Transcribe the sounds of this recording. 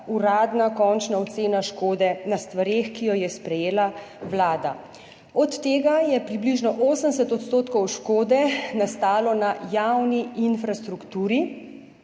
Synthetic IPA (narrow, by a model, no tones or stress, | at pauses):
uɾaːd̪nakɔnt͡ʃnaɔt̪seːnaʃkoːd̪ɛnast̪ʋaɾeːxkijɔjɛspɾɛjeːla | wlaːd̪a̰ | ɔt̪ːeːɡajɛpɾibliʒnɔʔoːsəms̬ɛt̪ɔt̪st̪oːt̪kɔwʃkoːd̪ɛnast̪aːlɔnajawniinfɾast̪ɾukt̪uːɾi